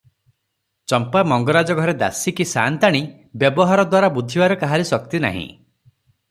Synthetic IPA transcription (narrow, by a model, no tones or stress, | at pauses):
t͡ʃɔmpamɔŋɡɔɾad͡ʒɔɡʱɔɾed̪a̰sikisant̪aɽ̃i | bjɔbɔɦaɾɔd̪waɾabud̪ʱːibaɾɔkaɦaɾisɔkt̪ina̰ɦḭ̃